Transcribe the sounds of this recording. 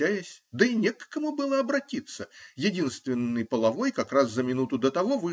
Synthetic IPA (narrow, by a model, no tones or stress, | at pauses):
æjɪsʲd̪əinʲekkɐmubɨlˠəɐbɾɐtʲit̪sːəjɪdʲinst̪vʲɪnːɨjpəlˠɐvojkɐkɾaszəmʲɪnut̪ʊd̪ət̪ɐvovɨ